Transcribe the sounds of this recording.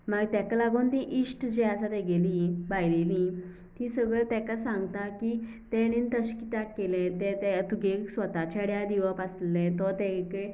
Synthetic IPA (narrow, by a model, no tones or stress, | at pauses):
maɡt̪ɛkalaɡoːnt̪ĩʔisʈd͡ʑeasat̪ɛɡelibajlelĩ | t̪ĩsəɡɭəɭt̪ɛkasãŋɡt̪aki | t̪ɛ̃ɽ̃int̪əɕkit̪akːelɛ̃t̪ɛ̃t̪ɛt̪uɡesʋət̪at͡ɕʰaɽjad̪iʋəpasllɛ̃t̪ɔt̪ɛke